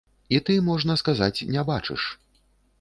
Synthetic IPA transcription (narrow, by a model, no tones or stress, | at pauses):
it̪ɨmɔʐnɐskazat͡sʲnʲɛbat͡ʂɨ̰ʂ